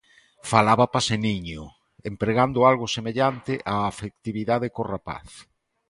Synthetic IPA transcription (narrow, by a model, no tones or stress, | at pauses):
falaβapaseniɲo | empɾeɣand̪ʊalɣosemeʎant̪ɪʔaːfek̚t̪iβiðaðekorapa̰θ